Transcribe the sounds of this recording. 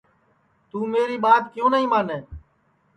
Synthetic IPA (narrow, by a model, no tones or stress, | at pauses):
t̪uːmeːɾiːɓaːt̪kjõːnəɦĩːmaːneː